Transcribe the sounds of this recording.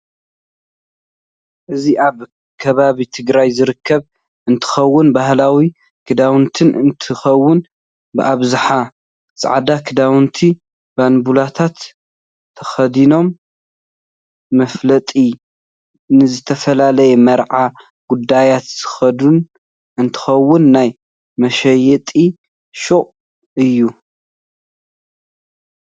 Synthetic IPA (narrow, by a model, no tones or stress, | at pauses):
ʔɨziʔaβ | kʰɐβaβit̪ʰɨɡɾajzɨɾɨkʰːɐβ | ʔɨnt̪ʰɨ̥xɐwːʊnbahlawi | kʰɨd̪awnt̪ʰɨnɨ̰nt̪ʰɨxɐwːʊn | bɨʔaβzɨħa | sʼa̰ʕd̪akʰɨd̪awnt̪ʰi | banbulat̪ʰat̪ʰː | ɐxɐd̪ino̞m | ɐflɐt̪ʼi | nɨzɨt̪ʰɐfɐlalɐjɛmɐɾʕa | ɡ̥ud̪ajat̪z̥ɨ̥xɐd̪un | ɨnt̪ʰɨ̥xɐwːʊnːaj | mɐʃɐjɛt̪ʼi | ʃuχʼ | ɨjːu